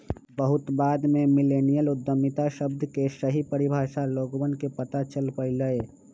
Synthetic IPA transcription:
bəɦʊt̪baːd̪mẽmɪleːnijəlʊd̪ːəmɪt̪aʃəbd̪ʱkesəɦipəɾɪbʱaːʃaloːɡbənkepət̪at͡ʃəlpəiləeː

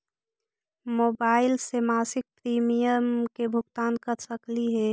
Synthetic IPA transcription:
moːbaːɪlsemaːsɪk̚pɾiːmijəmkebʱʊɡt̪aːnkəɾsəkliɦɛ

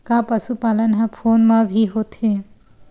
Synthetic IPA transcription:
kapɐʃupaːlənɦɐ̃pʰoːnmãbʱiɦoːt̪ɦeː

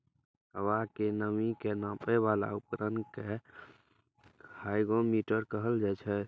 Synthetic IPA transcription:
ɦəʋakenəmikenãpɛbala̰upɾənke | hajɡomiʈəɾkəɦəld͡ʒɛt͡ʃʰɛ

